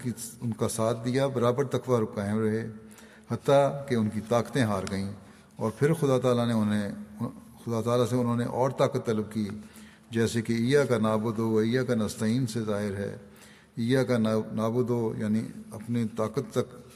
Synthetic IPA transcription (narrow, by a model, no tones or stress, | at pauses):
iʊnkasaːt̪̚ʰd̪ijabɐɾaːbəɾt̪ɐkʋaɾʊkaːɪ̃ɾɐɦeː | hɐt̪ːakeʊnkit̪aːkt̪ẽɦaːɾɡɐĩː | ɔːɾpʰɪɾxʊd̪aːt̪aːlaneʊnɦe | xʊd̪aːt̪aːlaseʊnɦõːnḛʔɔːɾt̪aːkət̪ːɐləb̚kiː | d͡ʒɛːsekeiːjakanaːbʊd̪oɐiːjakanɐst̪aiːnsezaːɦɪɾɦɛ̰ː | iːjakanaːbʊd̪oja̰ːnḭɐpnit̪aːkət̪ːɐk